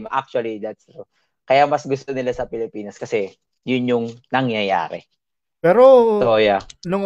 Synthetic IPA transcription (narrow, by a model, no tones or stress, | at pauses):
mʔa̰k̚t͡ʃuɐlid̪ɐt̪̚so | kɐjamɐsɡʊst̪o̞nɪlasɐpɪlɪpiːnɐskɐsɛ | jʊnjʊŋnɐŋjɐja̰ːɾɛ̰ | pɛːɾot̪ojɐnʊŋ